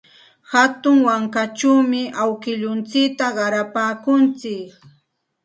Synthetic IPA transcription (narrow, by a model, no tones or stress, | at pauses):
hat̪ʊŋwaŋkat͡ʃawmɪʔawkɪʎʊnt͡sɪkt̪aɢɑɾapaːkʊnt͡sɪk